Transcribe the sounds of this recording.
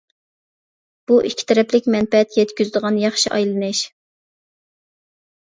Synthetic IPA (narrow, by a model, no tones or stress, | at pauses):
b̥uʔikʲʰi̥t̪ʰɛɾɛplɪkʲmɛnpɛɛt̪jɛt̪kʲyzd̪əʁɑnjɑχʃiʔɑjlˠɨnɨʃ